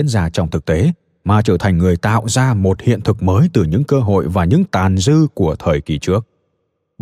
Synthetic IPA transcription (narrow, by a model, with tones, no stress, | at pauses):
i˧˥ənzaː˧˩t͡ɕɔ˧wŋ͡mt̪ɨ˨˩k̚t̪e˨˦ | maː˨˩t͡ɕəː˧˩t̪ʰa˨˩jŋ̟ŋɨ˨˩əjt̪a̰ː˧˨wzaː˧mo˨˩t̚hḭ˧˨ənt̪ʰɨ˨˩k̚məː˨˦jt̪ɨ˨˩ɲɨ̰˧˥ŋkəː˧ɦo̰˧˨jvaː˨˩ɲɨ̰˧˥ŋt̪aː˨˩nzɨ˧ku˧˩ət̪ʰəː˨˩jki˧˩t͡ɕɨ˦˥ək̚